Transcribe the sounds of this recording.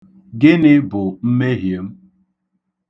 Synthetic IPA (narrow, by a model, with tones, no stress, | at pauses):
ɡɪ˦nɪ˦bʊ˨m̩˦me˦ɦje˨˦m̩˦